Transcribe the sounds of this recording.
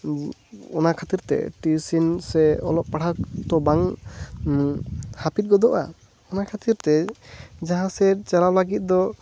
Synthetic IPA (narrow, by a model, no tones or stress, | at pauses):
ɔnakʰat̪iɾt̪ɛ̰ʈisinsɛɔlɔp̚paɽat̪ɔbaŋ | hapit̪̚ɡɔd̪ɔʔa̰ | ɔnakʰat̪iɾt̪ɛd͡ʒaɦãsɛt͡ʃalawlaɡit̪̚d̪ɔ